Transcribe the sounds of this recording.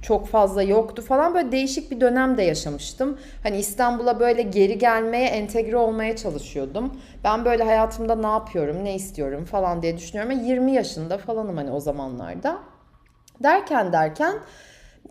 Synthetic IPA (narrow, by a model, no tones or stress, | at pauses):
t͡ʃʰo̞kfazlˠajo̞kt̪ufalˠanbøjlʲɛd̪e̞jiʃic̚bid̪ø̞næmd̪ɛjaʃamɯʃt̪ɯm | haniist̪ʰanbulˠabø̞jlʲɛɟe̞ɾiɟælʲmejɛʔɛnt̪ʰɛɟɾɛo̞lˠmajat͡ʃʰalˠɯʃɯjo̞d̪um | bænbø̞jlʲɛɦajaːt̪ʰɯmd̪anaːpʰɯjo̞ɾumneist̪ʰijo̞ɾumfalˠand̪ijɛd̪yʃynyjoɾumɛjiɾmijaʃɯnd̪afalˠanɯmhanio̞zama̰nlˠa̰ɾd̪a | d̪æɾcʰænd̪æɾcʰæn